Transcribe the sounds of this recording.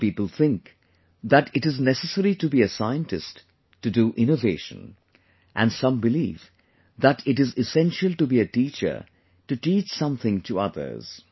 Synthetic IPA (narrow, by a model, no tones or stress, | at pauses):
pipəl̩ˠθɪ̃ŋk | ðæɾɪɾɨznɛsəsəɾitɨbiɨsaɪə̃ntɨst | tːɨduʔɪ̃ñoveɪʃə̰̃n | ʔæ̃nsʌ̃mbɨlḭːv | ðæɾɪɾɪzɪsɛ̃nʃəlˠʈubiɨtit͡ʃə̰˞ | tɨʈiːt͡ʃsʌ̃mθɪ̃ŋtʰuʌðə̰˞z̥